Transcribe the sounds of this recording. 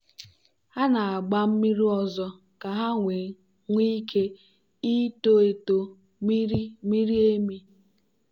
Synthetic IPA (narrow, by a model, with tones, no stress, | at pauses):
ha˦na˨a˨ɡ͡ba˦m̩˦mi˦ɾi˦ɔ˦zɔ˦ | ka˨ɦa˦ŋʷe˨˦ | ŋʷi˦kʰe˦ | i˦to˦e˨to˨ | mi˦ɾi˦mi˦ɾi˦e˦mi˦